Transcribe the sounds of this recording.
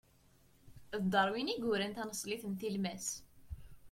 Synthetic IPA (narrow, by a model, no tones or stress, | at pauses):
ðd̪ˤɑɾˤwiniɡʊɾænt̪ænəsˤliθənt̪ilmæs